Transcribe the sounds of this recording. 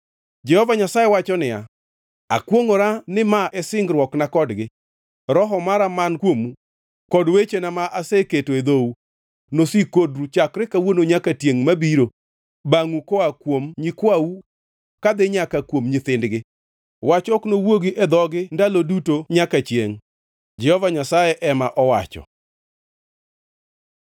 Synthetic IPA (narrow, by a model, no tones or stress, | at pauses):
d͡ʒɛhɔvaɲasajɛwat͡ʃɔnɪja̰ | a̰kwoŋoɾanɪmaʔɛsɪŋɡɾwɔknakɔdɡɪ | ɾɔɦɔmaɾamankwomu | kɔdwet͡ʃenamaʔaseketoed̪ou | nosikodɾut͡ʃakɾɪkawonoɲakatjeŋmabiɾo | baŋukɔakwomɲikwawu | kad̪ɪɲakakwomɲɪt̪ɪndɡɪ | wat͡ʃɔknowoɡiʔɛd̪ɔɡɪndalodutoɲakat͡ʃjeŋ | d͡ʒɛhɔvaɲasajɛʔɛmaʔɔwa̰t͡ʃɔ̰